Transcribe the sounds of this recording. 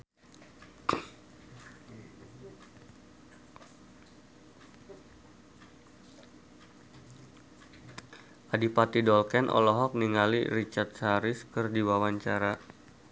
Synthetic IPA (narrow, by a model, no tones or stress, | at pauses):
ʔadipat̪idɔlkɛnʔɔ̰lɔɦɔk̚niŋalḭrit͡ʃart̪̚saɾɪskərdiwawaɲt͡ʃaɾa